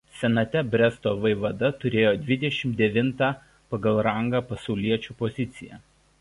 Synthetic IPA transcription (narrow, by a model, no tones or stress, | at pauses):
sʲɛnɐt̪ʲɛbʲɾʲɛst̪oːʋɐɪʋɐd̪ɐt̪ʊɾʲeːjoːd̪ʲʋʲɪd̪ʲɛʃʲɪmd̪ʲɛʋʲɪnt̪ɑ | pɐɡɐlˠɾɐŋɡaːpɐsɒʊlʲiɛt͡ʃʲuːpɔzʲɪt̪sʲɪjæ̰ː